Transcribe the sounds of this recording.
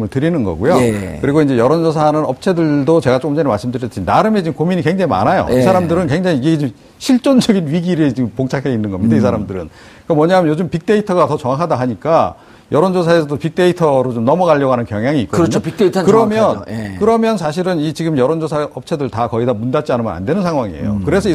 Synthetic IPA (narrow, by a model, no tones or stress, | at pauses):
mɯɭtɯɾinɯnɡʌ̰ɡujokɯɾiɡoind͡ʑe̞jʌɾʌnd͡ʑos̬ʰanɯnʌp̚t͡ɕʰe̞dɯɭdot͡ɕe̞ɡat͡ɕ͈okɯmd͡ʑeɾemaɭs͈ɯmdɯɾjʌt͈ʰinaɾɯmet͡ɕiɡɯmkominikwe̞ŋd͡ʑaŋima̰najo̰isʰaɾamdɯɾɯnkwe̞ŋd͡ʑaŋiiɡed͡ʑi | ɕʰiɭt͡ɕ͈ond͡ʑʌɡinɥiɡiɾet͡ɕiɯmpoŋt͡ɕʰakʰeinːɯnɡʌmːjidaisʰaɾamdɯɾɯ̰n | k͈amwʌɲaamjʌjod͡ʑɯmpik̚t͈e̞itʰʌɡatʌt͡ɕʌŋakʰadaɦaɲik͈a | jʌɾʌnd͡ʑosʰaes̬ʰʌdopik̚t͈e̞itʰʌɾot͡ɕomnʌmʌɡaʎːʌɡɦanɯnkjʌŋjaŋiːk͈oɲopikteitʰkɯɾʌmjʌnkɯɾʌmjʌnsʰaɕ̬ʰiɾɯnit͡ɕiɡɯmjʌɾʌnd͡ʑosʰaʔʌp̚t͡ɕʰe̞dɯɭtakʌidamundat͡ɕ͈ianɯmʌna̰ndwe̞nɯnsʰaŋɦwaŋiḛjo̰kɯɾe̞sʰʌi